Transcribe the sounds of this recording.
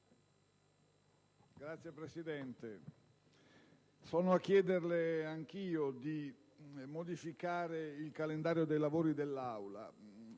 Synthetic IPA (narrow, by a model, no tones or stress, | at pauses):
ɡɾat̪sjepɾesid̪ɛnt̪e | sɔːnoakːjɛːd̪erleaŋk̟iːod̪i | mod̪ifikaːɾeilkalend̪aːɾjod̪ejlavoːɾid̪elːawla̰